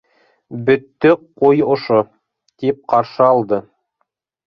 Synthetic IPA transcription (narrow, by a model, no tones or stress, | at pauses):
bɵ̆t̪ːɵqujŏʃo | t̪ip̚qɑɾʃɤɑlˠd̪ɤ